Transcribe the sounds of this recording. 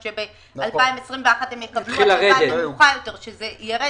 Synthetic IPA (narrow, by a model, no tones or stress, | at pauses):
ʃebe | alpaimesʁimveaχathemjekatnuχilaʁedeluχajo̞te̞ʁʃezejaʁe